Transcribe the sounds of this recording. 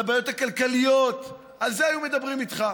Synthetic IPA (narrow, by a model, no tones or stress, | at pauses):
baːjo̞thakalkalijo̞t̪ | alzeajume̞d̪abʁimit̪χa